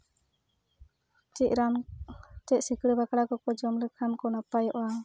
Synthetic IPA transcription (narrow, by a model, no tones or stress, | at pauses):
ɛʔɾamt͡ʃɛc̚sikɽəbakaɽakɔkɔd͡ʒɔmləkʰamkɔnapajɔʔa